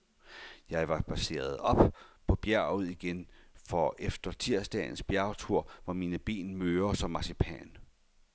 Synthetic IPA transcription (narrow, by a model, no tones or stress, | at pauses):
jɑ̈ɪʋɑ̈b̥æse̝̰ːɐð̞̩ˠɒ̽b̥pʰɒ̽b̥jæɐ̰uð̰ˠiɡ̥enfɒ̽ʔefd̥ɐt͡sʰiɐ̰sd̥ɛ̰n̩sb̥jæɐt͡sʰuɐ̰ʋɑmiːnəb̥ḭːnmøːɐsɒ̽mːɑ̈sipʰɛ̰n